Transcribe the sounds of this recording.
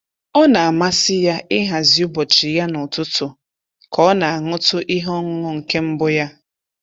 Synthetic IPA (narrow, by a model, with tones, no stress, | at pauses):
ɔ˦na˨a˨ma˦sɪ˦ja˦ɪ˦ɦa˨zi˨˦u˦bɔ˨t͡ʃi˨ja˦nʊ˨tʊ˦tʊ˨ | kɔ˦na˨a˨ŋʊ˦tʊ˦ʔi˦ɦɔ˦ŋʊ˦ŋʊ˦˨ŋ̩˨ke˦m̩˦bʊ˦ja˦